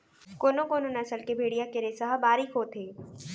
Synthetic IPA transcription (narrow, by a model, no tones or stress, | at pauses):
koːnõkoːnõnɐsəlkebʱeːɽijakɪɾesəɦəbaːɾikoːt̪ʰeː